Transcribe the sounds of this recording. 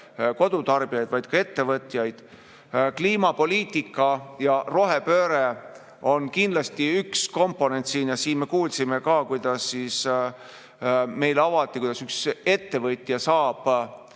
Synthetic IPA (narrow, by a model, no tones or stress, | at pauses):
ko̞d̪̥ut̪ɑrb̥ijɑjd̪̥vɑjd̪̥kɑe̞t̪ːe̞vɤt̪ːˑjɑjd̪̥ | kliːmɑpo̞liːt̪ːˑikːˑɑjɑro̞ɦepøːɾe | o̞nkind̪lɑst̪iyksko̞mpˑːo̞ne̞nt̪siːnjɑsiːnme̞kuːlsime̞kɑːkujd̪̥ɑsːiːs | me̞jlɑvɑt̪ːˑikujd̪̥ɑsykse̞t̪ːe̞vɤt̪ˑjɑsɑːb̥